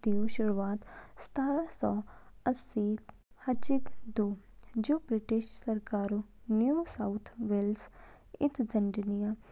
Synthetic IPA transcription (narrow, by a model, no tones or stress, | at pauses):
d̪ioʃʊɾuaːt̪sə̥t̪ʰaːɾasɔː | əsːiː | hət͡ʃɪkd̪oː | d͡ʒoːbɾɪʈɪʃsəɾkaːɾonjuːsaʊt̪ʰʋels | ɪ̰t̪ʰd͡ʒəɳd͡ʒnijaː